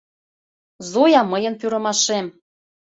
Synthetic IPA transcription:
zujɑməjə̆npyɾɤ̆mɑʃem

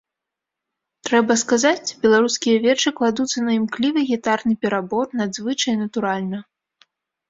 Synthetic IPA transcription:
t̪ɾɛbɐskazat͡sʲbʲɛlˠaɾuskʲijɐvʲɛt͡ʂɨklˠad̪ut̪sːɐnɐimklʲivɨɣʲɛt̪arnɨpʲɛɾabɔrnad̪zvɨt͡ʂɐjnɐt̪uɾalʲnɐ

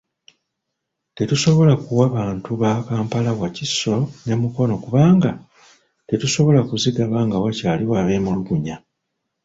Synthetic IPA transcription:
te̞tuso̞βo̞lakuwaβaːntuβaːkaːmpalawacisːo̞ne̞muko̞no̞kuβaːŋɡa | te̞tuso̞βo̞lakuziɡaβaŋɡawacaːliwaːβe̞ːmuluɡuɲa

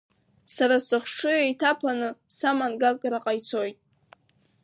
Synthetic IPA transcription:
saɾasɨχʷʂɨjtʰapʰanɨsamanɡakʼɾaqʼajt͡sʰo̞jtʼ

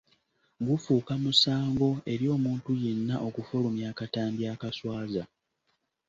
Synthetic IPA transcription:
ɡufuːkamusaːŋɡo̞e̞ɾjo̞ːmuːntuje̞nːaʔo̞kufolumjaːkataːmbjaːkaswaːza

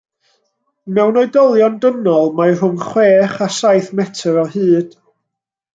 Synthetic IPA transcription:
mɛwnɔjdɔlˠjɔndənɔlˠmaɨr̥ʊŋχweːχasajθmɛtʰəɾɔhɨːd̥

